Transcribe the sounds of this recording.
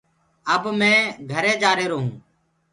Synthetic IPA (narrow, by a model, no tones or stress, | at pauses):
əbmẽːɡʱəɾẽːd͡ʒaːɾeːɾoːɦũː